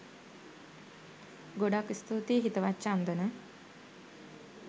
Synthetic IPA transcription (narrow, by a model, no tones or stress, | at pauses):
ɡoɖakːist̪uːt̪iːɦit̪əʋat͡ʃːaːnd̪ənə